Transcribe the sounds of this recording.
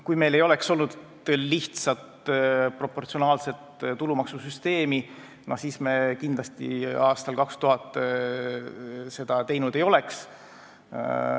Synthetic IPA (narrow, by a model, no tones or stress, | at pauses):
kujme̞jle̞jo̞le̞kso̞lnud̪ | liht̪sɑt̪pro̞pːo̞rt̪sio̞nɑːlse̞t̪t̪ulumɑksusyst̪e̞ːmi | nosiːsmekind̪lɑst̪ḭɑːst̪ɑlkɑkst̪uɦɑt̪ːˑ | se̞d̪̥ɑt̪e̞jnud̪e̞jo̞le̞ks